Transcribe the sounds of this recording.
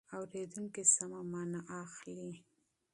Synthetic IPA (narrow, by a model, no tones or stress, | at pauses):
awɾed̪uŋkisamamɑnaʔaxli